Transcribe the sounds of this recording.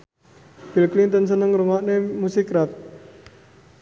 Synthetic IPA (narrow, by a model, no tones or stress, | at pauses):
b̥ilklint̪ənsənəŋɾuŋɔʔnemusikɾat̪̚